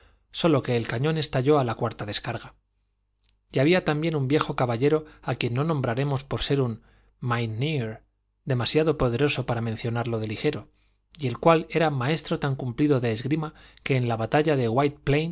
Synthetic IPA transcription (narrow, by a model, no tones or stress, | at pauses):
so̞lo̞ke̞ːlkaɲõ̞ne̞st̪aʎo̞alakwaɾt̪aðe̞skaɾɣa | jaβiat̪ambje̞numbje̞xo̞kaβaʎe̞ɾo̞akje̞nːo̞nombɾaɾe̞mo̞spo̞ɾse̞ɾun | majniɾ | d̪e̞masjaðo̞po̞ðe̞ɾo̞so̞paɾamenθjo̞naɾlo̞ðe̞lixe̞ɾo̞ | ie̞lkwale̞ɾamae̞st̪ɾo̞t̪aŋkumpliðo̞ðe̞ːzɣɾimake̞ːnlaβat̪aʎaðe̞ɣwajt̪̚plejn